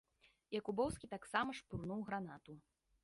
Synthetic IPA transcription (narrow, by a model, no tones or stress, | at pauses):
jakubɔwskʲit̪aksamɐʂpurnuwɣɾanat̪u